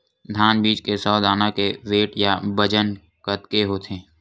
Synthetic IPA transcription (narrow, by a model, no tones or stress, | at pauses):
d̪ʱaːnbiːt͡ʃkesɔːd̪aːnakeʋeːʈjabəd͡ʒən | kət̪keɦoːt̪ʰẽː